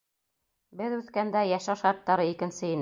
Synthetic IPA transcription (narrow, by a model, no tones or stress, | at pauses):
bɘðʉθkænd̪æjæʃæʃɑɾt̪ːɑɾɤikɘ̆nsɘin